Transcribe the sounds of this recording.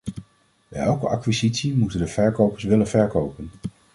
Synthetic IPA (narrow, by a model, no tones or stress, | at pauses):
ɛlˠkəʔɑkʋizitsimutəndəv̥ɛɹkowpəɹsʋɪlənvɛɹkowpən